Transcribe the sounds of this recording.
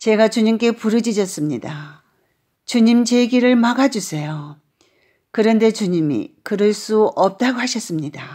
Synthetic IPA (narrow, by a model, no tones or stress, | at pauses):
t͡ɕe̞ɡat͡ɕuɲimk͈e̞puɾɯd͡ʑid͡ʑʌs͈ɯmɲida | t͡ɕuɲimt͡ɕeɡiɾɯɭmaɡad͡ʑusʰe̞jo | kɯɾʌnde̞t͡ɕuɲimḭkɯɾʌɭs͈uʌp̚t͈aɡohaɕʰʌs͈ɯmɲida